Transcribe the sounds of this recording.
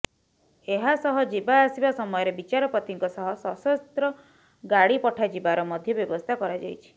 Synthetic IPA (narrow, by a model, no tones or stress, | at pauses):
eɦasɔɦɔd͡ʒibaːsibasɔmɔjɔɾebit͡ʃaɾɔpɾɔt̪iŋkɔsɔɦɔsɔsɔst̪ɾɔ | ɡaɽipɔʈʰad͡ʒibaɾɔmɔd̪ʱjɔbjɔbɔst̪ʰakɔɾad͡ʒajt͡ʃʰi̥